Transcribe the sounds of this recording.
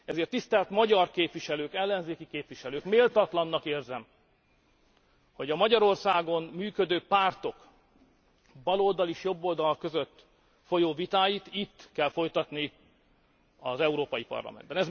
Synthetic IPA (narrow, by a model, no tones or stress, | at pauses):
ɛzeːrt̪ːist̪ɛlt̪mɒɟɒrkeːpʋiʃɛløːkɛlːɛnzeːkikeːpʋiʃɛløːkmeːlt̪ɒt̪lɒnːɒkeːrzɛm | ho̞ɟɒmɒɟɒɾo̞rsaːɡo̞nmyːkød̪øːpaːrt̪o̞k | bɒloːld̪ɒliʃjo̞bːo̞ld̪ɒlkø̞zøt̪ː | fo̞joːvit̪aːjit̪it̪ːkɛlfo̞jt̪ɒt̪ni | ɒzɛuɾoːpɒjipɒ̰rlɒ̰mɛ̰nd̪bɛnɛz